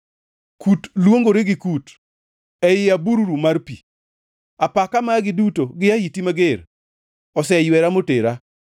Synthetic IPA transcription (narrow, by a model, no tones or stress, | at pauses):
kutlwoŋɡoɾeɡɪkut | ɛjɪabuɾuɾumarpḭ | apakamaɡɪdutoɡɪahitimaɡɪr | ɔsɛjwɛɾamoteɾa